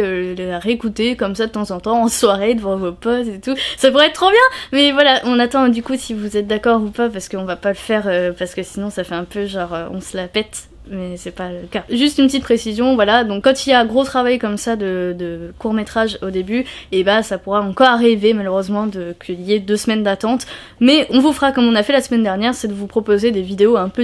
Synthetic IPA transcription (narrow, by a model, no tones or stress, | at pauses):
ølaʁeekut̪ekɔmsad̪ət̪ɑ̃zɑ̃t̪ɑ̃ɑ̃swaʁed̪əvɑ̃vopɔst̪et̪usapuʁɛt̪̚t̪ːχobjɛ̃mɛvwalaʔɔ̃nat̪ɑ̃d̪ykusivuzɛt̪̚d̪akɔʁupapaʁsə̥kəɔ̃vapaləfɛʁøpaʁsə̥kəsinɔ̃safɛɛ̃pøʒɑ̃ʁøɔ̰̃səlapɛt̪ | mɛsɛpaləkaʒyst̪ynpət̪it̪pχesizjɔ̃vwalad̪ɔ̃kːɑ̃t̪iljaɛ̃ɡʁot̪χavajkɔmsad̪əd̪əkuʁmet̪χaʒod̪ebyebasapuʁaɑ̃kɔʁaʁivemaløʁøzmɑ̃d̪əkʰəiljed̪øsmɛnd̪at̪ɑ̃t̪ | mɛɔ̃vufʁakɔmɔ̃nafɛlasəmɛnd̪ɛʁnjɛʁsɛd̪əvupχɔpozed̪evid̪eoɛ̃pø